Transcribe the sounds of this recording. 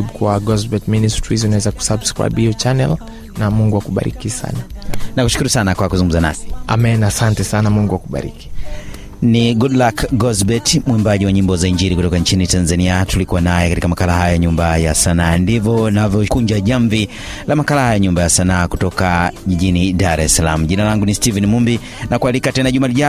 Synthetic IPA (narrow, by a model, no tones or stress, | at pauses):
bkuwaɡɔzbɛtministɾizunawɛzaku̥sabskɹa̰biɔt͡ʃanɛ̰l | namuŋɡuwakuɓa̰ɾḭkisa̰nanaku̥ʃu̥kuɾusanakwakuzuŋɡum̩zana̰si̥a̰mɛɛnaːsantɛsanamuŋɡuwakuɓa̰ɾḭki̥ | niɡudlakɡɔzbɛtmwimbaʄiwaɲimbɔzaiɲd͡ʒiɾikutɔkaɲt͡ʃinitanzaniatulikuanajɛkatikamakalahajaɲumbaja̰sanaːndivɔnavjɔkuɲd͡ʒaʄaɱvi | lamakalahajaɲumbajasanaːkutɔkaʄiʄinidaɾɛsalam̩ʄinalaŋɡunistivɛnimumbi | nakualikatɛnaʄumaliʄa